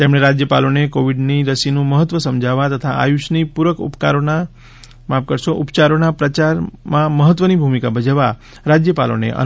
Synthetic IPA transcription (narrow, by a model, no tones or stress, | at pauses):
t̪emɽeɾad͡ʒjəpalonekoʋiɖniɾəsinũməɦət̪ʋəsəmd͡ʒʱaʋat̪ət̪ʰaa̰juʃnipuɾəkṵpkaɾona | map̚kəɾʃoʔupt͡ʃaɾonapɾət͡ʃaɾmãməɦət̪ʋənibʱumikabəd͡ʒaʋa | ɾad͡ʒjəpa̰lo̰nḛʔə̰